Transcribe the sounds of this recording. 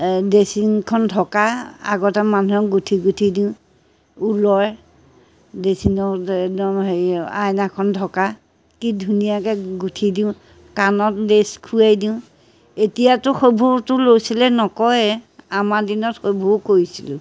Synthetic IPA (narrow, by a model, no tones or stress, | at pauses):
desiŋkʰɔndʱɔkaa̰ɡɔtɛmanuɔk̚ɡutʰiɡutʰidiʊ̃ | ulɔj | desinɔkɔɦeajnakʰɔndʱɔka | kidʱunijakɛɡutʰidiʊ̃ | kanɔt̚deskʰujajdiʊ̃ | etijatʊxobʱutʊlojsilɛnɔkɔjamadinɔtxobʱukoɹisilʊ̰̃